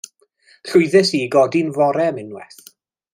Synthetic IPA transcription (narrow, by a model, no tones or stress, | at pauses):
ɬʊɨðɛsiɡɔdinvɔɾɛmɪnwɛ̰θ